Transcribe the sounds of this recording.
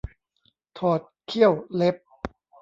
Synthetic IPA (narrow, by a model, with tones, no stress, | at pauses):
t̪ʰɔː˨˩t̪̚kʰi˥˩əwle˦˥p̚